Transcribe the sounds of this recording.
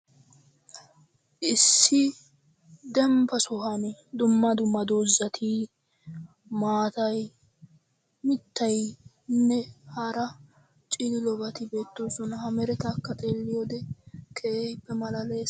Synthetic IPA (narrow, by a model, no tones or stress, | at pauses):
ʔɪsːɪ | d̪ɛmpɐsʊɦɐnd̪ʊmːɐd̪ʊmːɐd̪oːzːɐt̪ʰi | maːt̪ɐj | mɪt̪ːɐj | nːɛhɐɾɐ | t͡ʃʼɪd̪ɪlɔbɐt̪ɪbe̞ːt̪ːoːsɔnɐhɐmɛɾɛt̪ɐkːɐt̪ʼeːlːɪjoːd̪ɛkʰɛejbːɛmɐlɐleːs